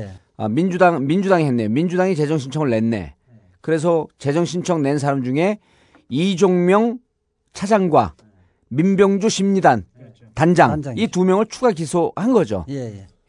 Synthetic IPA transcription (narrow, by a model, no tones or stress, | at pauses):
mind͡ʑudaŋmind͡ʑudaŋiɦenːemind͡ʑudaŋit͡ɕe̞d͡ʑʌŋɕʰint͡ɕʰʌŋɯɭːe̞nːe̞̰ | kɯɾe̞s̬ʰʌt͡ɕe̞d͡ʑʌŋɕʰint͡ɕʰʌŋne̞ns̬ʰaɾamd͡ʑuŋe̞ | id͡ʑoŋmjʌŋ | t͡ɕʰad͡ʑaŋɡwa̰ | mimbjʌŋd͡ʑoɕʰimɲidan | tand͡ʑaŋitumjʌŋɯɭt͡ɕʰuɡaɡisʰohanɡʌd͡ʑo̰